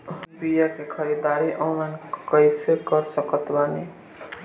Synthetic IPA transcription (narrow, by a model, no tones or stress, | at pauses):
ɦupijakekʰəɾid̪aɾiʔõmənkəjsekəɾsəkət̪bani